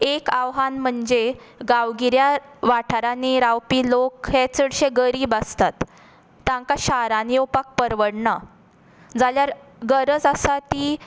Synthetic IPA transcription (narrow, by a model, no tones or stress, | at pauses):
ekaʋɦanm̤əɳd͡ze | ɡaʋɡiɾjaʋaʈʰaɾaniɾawpilokɦet͡səɽɕeɡəɾiːbast̪at̪ː | ãŋkaɕaɾanjopak̚pəɾʋəɽɳa | d͡zaljaɾɡəɾəd͡zasat̪iː